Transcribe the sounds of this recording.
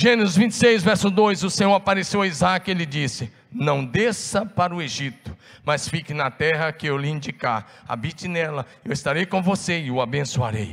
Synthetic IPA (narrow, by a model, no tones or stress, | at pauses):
ʒẽnɪzɪzvĩnt͡ʃɪ̥sejzvɛɾsʊd̪ojzʊsẽɲoɾapaɾesewaizakʊelɪd͡ʒisɪ | nɐ̃w̃d̪esɐpaɾʊeʒit̪ʊ̥ | mɐsfikɪnɐt̪ɛɦɐkɪewliĩnd͡ʒika̰ | a̰bit͡ʃɪnɛlɐ | ewɪst̪aɾejkõvoseɪʊabẽsuaɾḛj